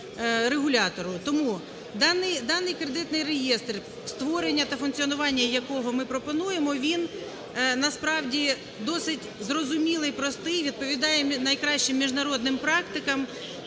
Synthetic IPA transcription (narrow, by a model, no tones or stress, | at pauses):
ɾeɦʊlʲɑt̪ɔɾʊt̪ɔmu | d̪ɑnɪjd̪ɑnɪjkɾed̪ɪt̪nɪjrejest̪r | st̪ʋɔɾenʲːɐt̪ɐfʊnkt͡sʲiɔnʊʋɑnʲːɐjɐkɔɦɔmɪpɾɔpɔnujemɔʋʲin | nɐspɾɑwdʲi | d̪ɔsɪtʲzrɔzʊmʲilˠɪjpɾɔst̪ɪjʋʲid̪̚pɔʋʲid̪ɑjɛnɐjkɾɑɕt͡ʃɪmːʲiʒnɐɾɔd̪nɪmpɾɑkt̪ɪkɐm